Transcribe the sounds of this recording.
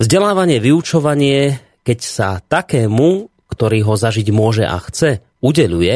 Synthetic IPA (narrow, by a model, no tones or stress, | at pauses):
vzɟɛlaːʋaɲɪɛʋiut͡ʃɔʋaɲɪɛ | kɛcsat̪akɛːmu | kt̪ɔɾiːɦɔzaʒiɟmʊɔʒɛ̰ʔa̰xt͡sɛ | uɟɛʎujɛ